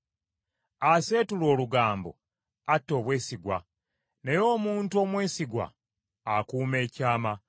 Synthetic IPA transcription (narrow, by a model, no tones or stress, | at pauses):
ase̞ːtulo̞ːluɡaːmbo̞̰ | atːo̞ːβwe̞ːsiɡwa̰ | ne̞jo̞ːmuːntuo̞ːmwe̞ːsiɡwa̰ː | kuːme̞ːcaːma